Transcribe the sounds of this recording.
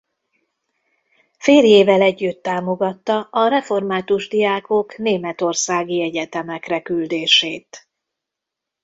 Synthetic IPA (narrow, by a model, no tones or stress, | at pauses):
feːljeːvɛlɛɟːyt̪ːaːmo̞ɡɒt̪ːɒʔɒɾɛfo̞rmaːt̪uʒd̪ijaːkokneːmɛt̪o̞rsaːɡiɛɟɛt̪ɛmɛkrɛkyld̪eːʃeːt̪